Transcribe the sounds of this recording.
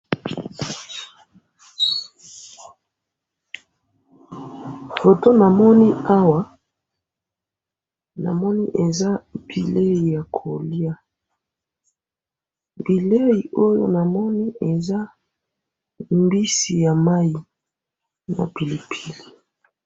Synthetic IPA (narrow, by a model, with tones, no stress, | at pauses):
ho˨to˦na˨mɔ˦ni˦a˦wa˦ | na̰˨mɔ˦ni˦ʔe˨za˦b̥i˨le˦i˨ja˨kʰo˨li˦a˦ | bi˨le˦ji˨o˦jo̰˦na˨mɔ˦ni˦ʔe˨za˦ | mbi˦si˨ja˨ma˦i˨ | na̰˨pi˨li˨pʰi˨li˨